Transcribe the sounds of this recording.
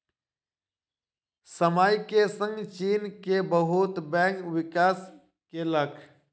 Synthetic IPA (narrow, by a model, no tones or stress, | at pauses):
səmaːjkesə̃ŋɡt͡ʃiːnkebəɦʊt̪bɛ̃ːkʋɪkaːs | keləkʰ